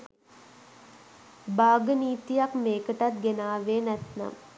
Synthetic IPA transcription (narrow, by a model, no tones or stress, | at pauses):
baːɡəniːt̪ijakmeːkəʈat̪̚ɡenaːʋeːnæt̪na̰m